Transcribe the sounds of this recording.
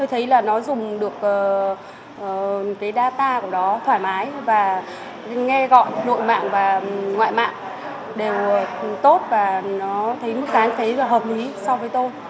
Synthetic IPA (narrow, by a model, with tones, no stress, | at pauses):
t̪o˧jt̪ʰə˨˦jlaː˨˩nɔ˨˦zʊ˨˩ŋ͡mɗɨ˨˩ək̚ʔəː˨˩ | ʔːkaː˨˦jɗaː˧t̪aː˧ku˧˩ɗɔ˨˦t̪ʰwaː˧˩jmaː˨˦jvaː˨˩ | ŋɛ˧ɣɔ̰˧˨jno̰˧˨jma̰ː˧˨ŋvaː˨˩ŋwa̰ː˧˨jma̰ː˧˨ŋ | ɗe˨˩wt̪o˦˥t̚vaː˨˩nɔ˨˦t̪ʰə˨˦jmɨ˦˥k̚t̪aː˨˦nt̪ʰe˨˦laː˨˩ɦəː˨˩p̚li˨˦sɔ˧wvəː˨˦jt̪o˧j